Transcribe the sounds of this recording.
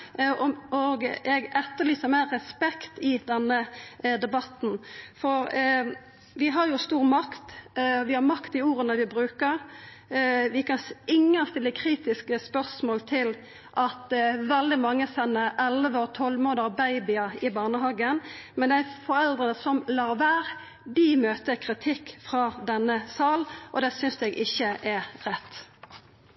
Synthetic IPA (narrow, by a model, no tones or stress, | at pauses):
ɔɡɛɡɛt̪ːəliːsəmɛɾɛspɛkt̪ɪd̪ɛnːəd̪ɛbɑt̪n̩fɔɾ | ʋɪɦɑɾjʊst̪uːʁmɑkt̪ʋɪhɑɾmɑkt̪ɪuːɾənəʋɪbɾʉːkəɾ | ʋɪkɑnsɪŋːəst̪ɪlːəkʰɾiːt̪ɪskəspœʁsmoːlt̪ʰɪl | ʔɑt̪ʋɛld̪ɪmɑŋːəsɛnːəʔɛlʋəɔt̪ʰɔlmoːd̪ɑbæɪbɪɑɪbɑʁnəɦɑːɡənmɛnd̪æfɔɾɛld̪ʁənəsɔmlɑːʁʋæːʁ | d̪ɪmøːt̪əkʰʁɪt̪ʰɪkːfʁɑd̪ɛnːəsɑːlʔɔd̪ɛsʏnsɛɡɪçːəʔɛʁɛt̪ː